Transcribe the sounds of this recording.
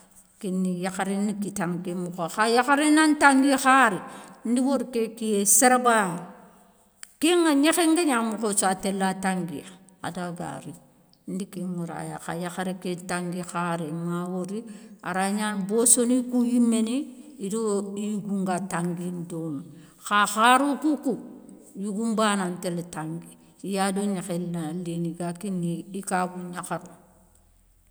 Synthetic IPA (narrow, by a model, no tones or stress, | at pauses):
kinːijaxaɾinikitaŋkimukoxajaxaɾinantaŋɡixaɾin̩diwoɾkekieseɾaba | kiŋaɲexeŋɡeɲamukot͡ʃoatelːataŋɡi | a̰daɡa̰ɾi | n̩dikimuɾa̰ja̰xa̰jaxaɾikitaŋɡixaɾemawoɾia̰ɾaɲanbosonikujimːeniidoiɡuŋɡataŋɡindon | xaxaɾukuku | juɡumbananteletaŋɡi | ijadoɲixelːaleniɡakiniikabuɲaxaɾu